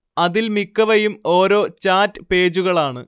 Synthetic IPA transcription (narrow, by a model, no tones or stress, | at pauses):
ɐðilmikːɐʋɐjumo̞ːɾo̞ːt͡ɕaːtːɨpe̞ːd͡ʑuɣɐɭaːɳɨ